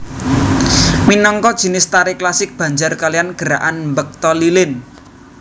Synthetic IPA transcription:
minɔŋkɔd̥ʒ̥i̤nɪst̪aɾɪklasɪk̚b̥a̤ɲd͡ʒarkalijanɡ̥əɾa̰ʔanmbək̚t̪ɔlilɪn

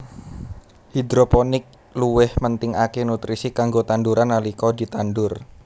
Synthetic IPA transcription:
hid̪ɾoponɪk̚ | luwɪhmənt̪ɪŋakenut̪ɾisikaŋɡot̪anduɾanːalikɔd̪i̤t̪andʊr

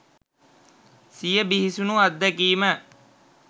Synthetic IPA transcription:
sijəbiɦisunuad̪ːəkiːmə

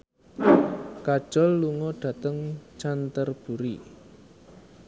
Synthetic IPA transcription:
kad̥ʒ̥ɔlːuŋɔɖ̥ä̤t̪əŋt͡ʃant̪ərb̥ṳɾi

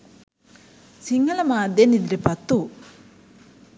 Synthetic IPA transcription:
siŋɡɐlɐmaːd̪jenid̪ɾepɐt̪ːu

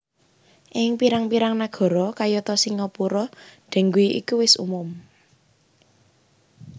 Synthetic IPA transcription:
ʔɪŋpiɾaŋpiɾaŋnaɡ̥ɔ̤ɾɔkajɔt̪ɔsiŋɔpuɾɔɖ̥ɛ̤ŋɡuiʔḭkuwɪsṵmʊm

